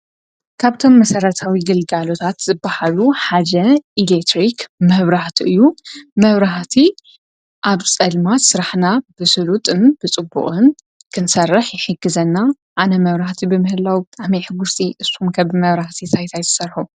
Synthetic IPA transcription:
kʰaβt̪ʰo̞mːɐsɐɾɐt̪ʰawiɡɨlɡalo̞t̪ʰat̪zɨbːahaluħad͡ʒɐʔilekt̪ɾikmɐβɾaht̪ʰiʔɨjːumɐβɾaɦt̪ʰi | ʔaβt͡sʼɐlmat̪sɨɾaħnabɨsɨlut̪ʼɨnbɨt͡sʼɨbːṵχʼɨn | kʰɨnsɐrːɨħjɪħɨɡːɨzɐnːa | ʔanɐmɐβɾaht̪ʰibɨmɨhɨlawibɨt̪ʼaʕmiħɨɡust̪ʼiʔɨshumkʰɐβmɐβɾaht̪ʰit̪ʰajt̪ʰajt̪ʰɨ̥sɐrħu

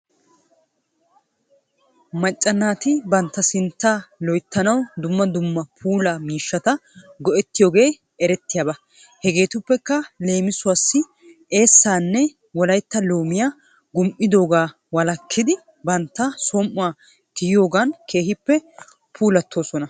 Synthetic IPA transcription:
mɐt͡ʃʼːɐnːaːt̪ɪbɐnt̪ːɐsɪnt̪ːalɔjt̪ːɐnɐwd̪ʊmːɐd̪ʊmːɐpʰuːlɐmiːʃːɐt̪ɐɡɔʔɛt̪ːɪjo̞ːɡe̞ː | ɛɾɛt̪ːɪjaːbɐ | hɛɡe̞ːt̪ʊpːɛkːɐle̞ːmɪsʊwasːɪ | e̞ːsːaːnːɛ | wɔlɐjt̪ːɐlo̞ːmɪjaː | ɡʊmʔɪd̪o̞ːɡaː | wɐlɐkʰːɪd̪ɪ | bɐnt̪ːɐsɔmʔʊwaː | kɪjjo̞ːɡaːnke̞ːɦɪpːɛ | pʰuːlɐt̪ːo̞ːsɔnɐ

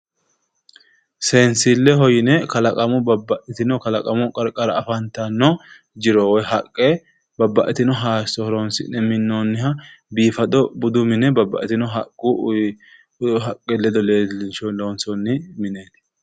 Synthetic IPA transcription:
se̞ːnsilːɛɦɔjɪnɛkɐlɐkʼɐmʊbɐbːɐʔɛt̪ɪnɔkɐlɐkʼɐmʊkʼɐɾkʼɐɾɐɐfɐnt̪ɐnːɔ | d͡ʒɪɾɔwɔjɦɐkʼːe | bɐbːɐ̰ʔɛt̪ɪnɔɦaːsɔhɾoːnsɪ̰nɛmɪnːonːɪhɐbiːfɐd̪ɔbʊd̪ʊmɪnɛbɐbːɐ̰ʔɛt̪ɪnɔɦɐkʼːu | ɦɐkʼːɛlɛd̪ɔlelɪnʃɔloːnsɔnːɪmɪneːt̪ɪ̥

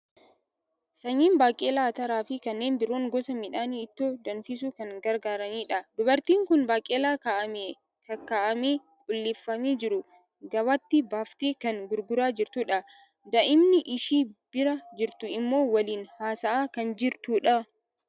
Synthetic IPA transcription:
sɐɲːiːnbaːkʼːeːlaːt̪ɐɾaːfɪkɐnːe̞ːnbɪɾoːŋɡɔsɐmɪᶑaːniːɪt̪ːoːd̪ɐnfɪs̬uːkɐŋɡɐɾɡaːɾɐniːᶑɐd̪ʊbɐɾt̪iːŋkʊnbaːkʼeːlaːkaːʔɐmeː | kɐkaːʔɐmeː | kʼʊlːɪfːɐmeːd͡ʒɪɾʊ | ɡɐwɐt̪ːɪbaːft̪eːkɐŋɡʊɾɡʊɾaːd͡ʒɪɾt̪ʊᶑɐ | d̪ɐʔɪmnɪʔɪʃiːb̥ɪɾɐd͡ʒɪɾt̪ʊɪmːo̞ːwɐliːnhaːsɐʔaːkɐnd͡ʒɪɾt̪uːᶑɐ

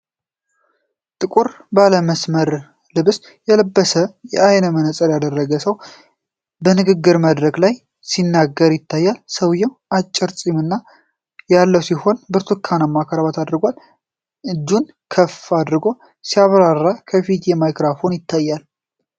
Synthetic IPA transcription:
t̪ʼɨkʼuɾ | baləməsməɾ | lɨβs | jɛləbːəsəjɛʔajnəmənəsʼəɾjad̪ərːəɡəsəw | bənɨɡɨɡːɨɾmad̪ɾəɡlaj | sinːaɡːəɾjɪt̪ʰːajːalsəwjɛwat͡ʃʼːɪɾsʼimɨnːa | jalːəwsiho̞nbɨɾt̪ʰukʰanamːakʰəɾaβat̪ʰad̪ɾɨɡʷal | ʔɨd͡ʒːun | kʰəfad̪ɾɨɡo̞ | siaβɾarːakʰəfit̪jɛmajkɾafo̞njɪt̪ʰːajːal

